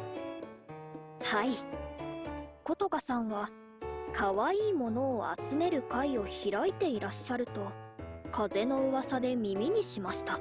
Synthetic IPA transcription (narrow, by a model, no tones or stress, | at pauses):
hai | ko̞t̪o̞kasãɰ̃βa | kʰaβaiːmo̞no̞ːa̰t͡sɨme̞ɾɯ̟kaio̞çiɾait̪e̞iɾaɕːaɾɯ̟t̪o̞kʰaze̞no̞ɯβasad̪e̞mʲimʲiɲ̟iɕimaɕi̥t̪a